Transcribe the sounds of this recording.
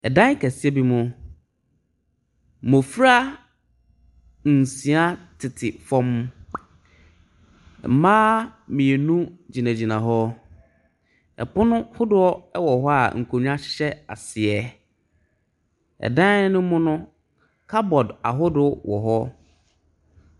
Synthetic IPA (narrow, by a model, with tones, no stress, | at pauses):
ɛ˨dã˦ŋ˦kʰæ˨sɪ˦ɛ˦bi˦mʊ̃˨ | mõ˨fɾa˦ | n̩˨sĩ˨a˦tʰɪ˨tʰɪ˨fɔ̃˦m˨ | mãː˦mĩ˨e˨nũ˦d͡ʑi˨nã˨d͡ʑi˨nã˨ɦɔ˦ | ɛ̰˨pʊ˦nʊ̃˦hʊ˦dʊ˦ɔ˦ɛ˦wɔ˨ɦɔ˦a̰˨ŋ̩˨kʰo˨ɲᶣ˦ã˦ɕɪ̥˦ɕɛ˦a̰˨sɪ˨ɛ˦ | ɛ̰˨dã˦n˦ɪ˦nʊ̃˦mʊ̃˦nʊ̃˦ | kʰa˦bɔ˨da̰˨ɦʊ˦dʊ˦wʔɔ̰˨ɦɔ˦